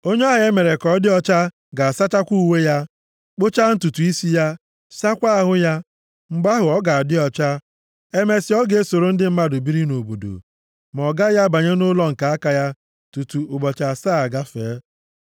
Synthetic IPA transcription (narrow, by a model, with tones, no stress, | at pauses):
o˦ɲe˦a˦ɦɪ˨e˦me˨ɾe˨kɔ˦dɪ˦ɔ˦t͡ʃa˦ | ɡa˨a˨sa˦t͡ʃa˦kʷu˦˨we˦ja˦ | k͡po˦t͡ʃa˦n̩˦tu˨tu˨i˦si˦ja˦ | sa˦kʷa˦a˨ɦʊ˦ja˦ | ŋ͡m̩˦ɡ͡ba˦ɦʊ˨ɔ˦ɡa˨a˨dɪ˦ɔ˨t͡ʃa˦ | e˦me˦sɪ˦ɔ˦ɡe˨e˦so˨ɾo˦n̩˦dɪ˦m̩˦ma˦dʊ˨bi˦ɾi˦no˨bo˨do̰˨ | m˨ɔ˨ɡa˦ja˦ba˨ɲe˦nʊ˦lɔ˦ŋ̩˨ka˨a˦ka˨ja˦ | tu˨tu˨ʊ˨ɡ͡bɔ˨t͡ʃa˨saː˦a˨ɡa˦feː˨˦